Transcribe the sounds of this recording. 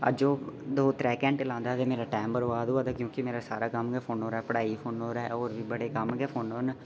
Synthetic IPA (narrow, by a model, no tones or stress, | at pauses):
ə̰d͡ʒoːd̪oːt̪ɾɛːkɛ̃ːɳʈlãːnd̪aːd̪eːmeːɾaːʈɛːmbəɾoaːd̪oːaːd̪aːkjõːkɪmeːɾaːsa̰ːɾaːkəmɡɛːpʰoːnɦoːɾaːɛpəɽaːiːpʰoːnoːɾaːɦɛɔːɾʋiːbəɽeːkəmɡɛːpʰoːnoːn